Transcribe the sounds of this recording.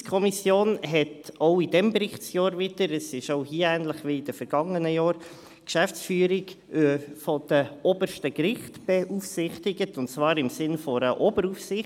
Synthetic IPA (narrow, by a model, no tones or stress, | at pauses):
skʰɔmisjoːnɦɛtoʊid̥ɛmbɾɪχtt͡sjɑːɾvɪdəɾəsɪʃoʊɦiːəæːnləχʋiid̥əfɛɾɡ̥ɑŋənəjɑːɾ | kʃæft͡sfyːəɾiɡ | fɔd̥əɔbəɾʃtəkɾɪχtb̥ɛʔufsɪχtɪɡətʊntt͡svɑːɾɪmsɪnfɔɾəʔɔbəɾufsɪχ